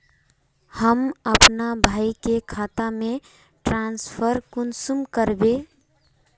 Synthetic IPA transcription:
həməpnabʱaikekʰat̪ame | ʈɾanspʰəɾkunsumkəɾbe

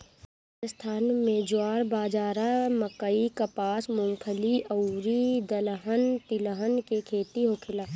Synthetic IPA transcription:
əst̪ʰaːnmẽd͡ʒoaːɾbaːd͡ʒaːɾaməkəikɐpaːsmʊ̃ŋkʰəliʔəuɾid̪ələɦənt̪ɪləɦənkekʰeːt̪iɦokʰɪlaː

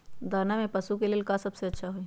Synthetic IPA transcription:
d̪aːɾnamẽpɐsukeleːlkasɐbseɐtːʃʰaɦoi

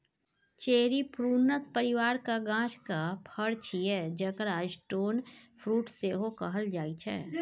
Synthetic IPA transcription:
t͡ʃeːɾipʰɾuːnəspəɾɪʋaːɾkaɡãːt͡ʃkapʰəɽt͡ʃʰiɛːd͡ʒəkɾaːd͡ʒʈoːnpʰɾuːʈseɦokɐɦəld͡ʒaːit͡ʃʰɛ̰ː

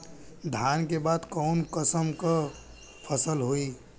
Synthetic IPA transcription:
d̪ʱankebad̪kɔnkəsəmkə | pʰəsəlɦoi

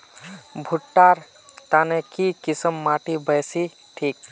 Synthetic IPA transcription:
bʱuʈːaːɾ | t̪aːnekikisəmːaːʈibəjsi | ʈʰiːk̚

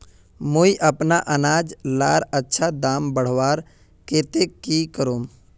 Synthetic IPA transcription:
moiʔɐpnaʔɐnaːd͡ʒlaːɾətːʃʰad̪aːmbəɽ̤ʋaːɾ | keːt̪ekikəɾoːm

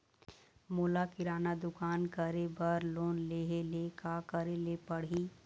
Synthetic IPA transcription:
moːlakɪɾaːnad̪ʊkaːnkəɾebəɾloːnleːɦelekakəɾelepəɽ̤i

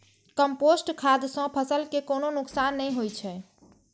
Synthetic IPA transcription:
kəmposʈkʰad̪sɔ̃pʰəsəlkekononʊksanːɛjɦojt͡ʃʰɛ

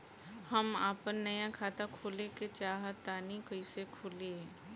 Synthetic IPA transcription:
həmaːpənːɐjãkʰaːt̪akʰuːleket͡ʃaːɦət̪aːnikəisekʰʊlie

